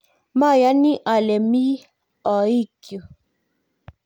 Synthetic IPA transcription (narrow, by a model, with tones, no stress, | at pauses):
ma˦˨ja˨˦ni˦ʔa˨lɛ˨mi˦ | ɔ˨i˦˨kjo˨